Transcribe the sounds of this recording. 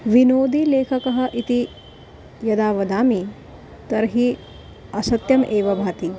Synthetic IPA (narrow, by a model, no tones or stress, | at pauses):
ʋinoːd̪ileːkʰɐkɐɦɐ̆ʔit̪i | jɐd̪aːʋɐd̪aːmi | t̪ɐɾɦi | ɐsɐt̪jɐmʔeːʋɐbʱaːt̪i